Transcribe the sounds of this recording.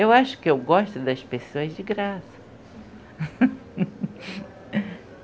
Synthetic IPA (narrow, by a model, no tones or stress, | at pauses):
ewaʃʊ̥kɪewɡɔʃt̪ʊd̪ɐspesoɐzd͡ʒɪɡɾasɐ̥